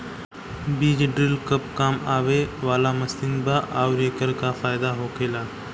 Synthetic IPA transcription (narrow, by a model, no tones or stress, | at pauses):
biːd͡ʑɖɾɪlkəp̚kaːmaːʋeːʋaːlaːməst̪ɪnbaːʔaːʊɾeːkəɾkaːfaːɪd̪aːɦoːkʰeːlaː